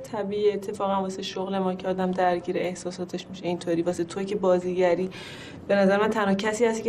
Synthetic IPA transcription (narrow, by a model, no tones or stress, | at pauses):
t̪ʰæbiːiet̪ʰːe̞fɒːɣænvɒːseʃoɣle̞mɒːcʰeɒːd̪æmd̪æɾɟiːɾeehsɒːsɒːt̪ʰe̞ʃmiʃeint̪ʰoɾiːvɒːset̪ʰocʰebɒːziːɟæɾiː | b̥e̞næzæɾemænt̪ʰænhɒːcʰæsiːhæst̪ic